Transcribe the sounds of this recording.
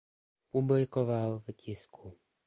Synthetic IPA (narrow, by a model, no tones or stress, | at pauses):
publɪkovalvcɪskʰu